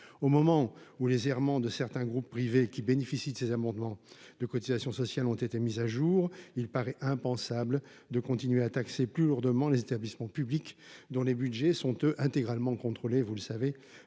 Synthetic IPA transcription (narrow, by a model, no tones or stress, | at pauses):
omɔmɑ̃ulezɛʁmɑ̃d̪əsɛʁt̪ɛ̃ɡʁupːχivekʲibenefisid̪əsezamɑ̃d̪mɑ̃d̪̥əkɔt̪izasjɔ̃sɔsjalɔ̃t̪et̪emizaʒuʁilpaʁɛʔɛ̃pɑ̃sabl | d̪əkɔ̃t̪inɥeat̪akseplyluʁd̪əmɑ̃lezet̪ablismɑ̃pyblikd̪ɔ̃lebydʒɛsɔ̃t̪øʔɛ̃t̪eɡʁalmɑ̃kɔ̃t̪χolevuləsave